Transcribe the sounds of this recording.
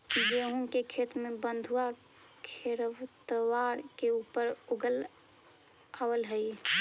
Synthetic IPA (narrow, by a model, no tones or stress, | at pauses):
id͡ʒeɦũkekʰet̪mebənd̪ʱua | kʰeɾəʋt̪əwaɾkeuːpəɾuɡəl | awəlɦəj